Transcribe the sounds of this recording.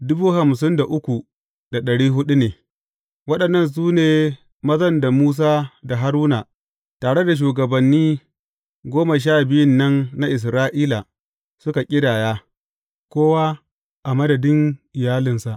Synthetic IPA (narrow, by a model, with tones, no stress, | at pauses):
dʊ˦buː˦ha˨m˨s̬ɪ˦nda˨ʔʊ˦kʷu˨ | d̥a˨ɗɐ˨ɽiː˦ɦʊ˦ɗu˦neː˨ | wɐ˦ɗɐ˨nːɐ˦˨ns̬uː˦neː˨ | mɐ˦zɐ˦nda˨muː˦s̬aː˦da˨ɦa˦ɾuː˦na˨ | taː˨ɽe˦da˨ʃ̬uː˨ɡɐ˨bɐ˨nːiː˦ | ɡʷoː˦ma˨ʃ̬aː˦˨bɪ˦jʊ˦nːɐ˦nːa˦ʔɪ˨s̬ɾaː˦ʔiː˦la˨ | sʊ˦ka˨kʲʼɪ˦daː˨jaː˦ | kʷoː˦wa˦ | ʔa˨mɐ˦dɐ˨dɪ˦ŋʔɪ˨jaː˦lɪ˨nsa˨ʔ